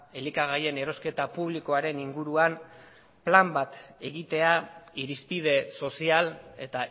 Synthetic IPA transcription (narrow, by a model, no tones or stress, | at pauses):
e̞likaɣ̞aje̞ne̞ɾo̞ske̞t̪apuβliko̞aɾe̞niŋɡuɾuan | plambat̪e̞ɣit̪e̞aiɾispið̞e̞so̞siale̞t̪a